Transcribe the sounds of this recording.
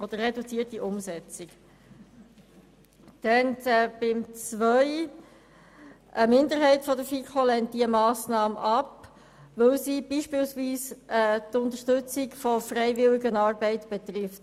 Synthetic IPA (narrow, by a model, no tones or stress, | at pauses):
ʔɔd̥əɾrɛdut͡siːətiʔʊmsɛt͡sɪk | d̥ɛntɛb̥ɪmt͡sʋœʏ | ʔəmɪnd̪əɾɦɛɪtfɔdəfikʰolɛnt̚d̥iəmɑːsnɑːməʔɑp | ʋɵwsib̥iːʃpɪːlsʋiːsɛtʊnt̪əʃtɵt͡sɪkfɔfrɛɪvɪliɡənɑːɾbɛɪtb̥ɛt̪rɪft